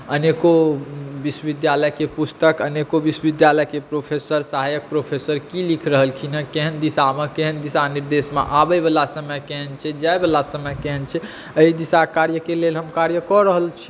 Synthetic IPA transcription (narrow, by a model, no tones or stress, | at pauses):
ənekobiswəʋid̪jaləjkepust̪əkənekobiswəʋid̪jaləjkepɾopʰesəɾsaɦajək̚pɾopʰesəɾkilikʰɾəɦəlkʰinakeɦənd̪isamekeɦənd̪isaniɾd̪esmḛʔabəjbəlasəməkeɦənt͡ʃʰɛd͡ʒaebəlasəməjkeɦənt͡ʃʰɛ | əɦid̪isakaɾjəkelelɦəmkaɾjəkɔɾəɦəlt͡ʃʰi